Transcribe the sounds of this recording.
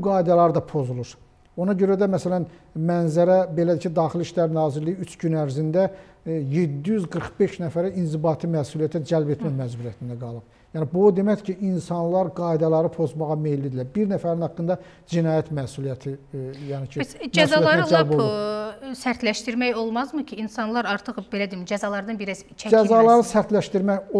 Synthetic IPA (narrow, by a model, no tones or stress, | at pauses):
uɡɑːjid̪ɑlˠɑɾd̪ɑpʰo̞zulˠuɾ | o̞nɑɟø̞ɾæd̪æmæsælæn | mænzæɾæbe̞læd̪icʰid̪ɑːχiliʃlæɾnɑːziɾlijiyt͡ʃʰɟynæɾzind̪æ | jed̪ːijyzɡɯɾχbe̞ʃnæfæɾæinzibɑːt̪ʰimæsulijæt̪ʰæd͡ʒælbet̪ʰmæmæd͡ʒbuɾijæt̪ʰind̪æɡɑlˠɯp | jæːnibud̪e̞mæçcʰiʔinsɑnlˠɑɾɡɑjd̪ɑlˠɑɾɯpʰo̞zmɑʁɑme̞jlid̪ilæɾbiɾnæfæɾinhɑkːɯnd̪ɑ | d͡ʒinɑːjæt̪mæsulijæt̪ʰijæːnicʰismd͡ʒæsɑlijtˠɑɾnæld͡ʒælbbolusæɾt̪læʃt̪iɾmæjo̞lˠmɑzmɯcʰiinsɑnlˠɑɾɑɾt̪ʰɯχbe̞læd̪imid͡ʒæzɑlˠɑɾd̪ɑnbiɾæzt͡ʃʰæd͡ʒæzɑlˠɑɾɯsæɾt̪læʃt̪iɾmæo